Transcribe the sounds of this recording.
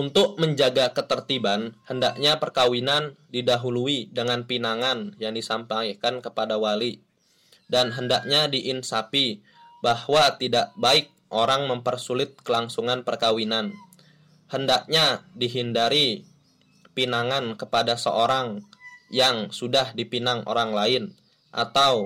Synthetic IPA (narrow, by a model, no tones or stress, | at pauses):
unt̪ʊk̚məɲd͡ʒaɡakət̪ərt̪ibanhəndak̚ɲapərkawinandidaɦuluidəŋanpinaŋanjaŋdisampajkankəpadawali | danɦəndak̚ɲadiʔɪnsapi | bahwat̪idaʔbaɪk̚ʔoɾaŋməmpərsulɪt̪̚kəlaŋsuŋanpərkawinan | həndak̚ɲadiɦindaɾi | pinaŋankəpadasə̰ʔoɾaŋ | jaŋsudahdipinaŋʔo̰ɾaŋlaɪn | ʔa̰t̪aw